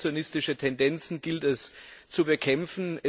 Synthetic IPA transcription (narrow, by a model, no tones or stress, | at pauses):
t͡sjonɪstɪʃətʰɛndɛnt͡sn̩ɡɪltɛst͡subəkʰɛmfn̩ɛ